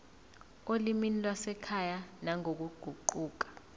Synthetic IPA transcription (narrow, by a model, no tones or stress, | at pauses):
oliminilwasɛkʰajanaŋok̬uɡ͡ǃ̥ʱuǃuːk̬ḁ